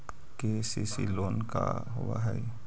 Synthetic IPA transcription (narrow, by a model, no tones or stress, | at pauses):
kesisiloːnka̰ | ɦʊʋa̰ɦɛ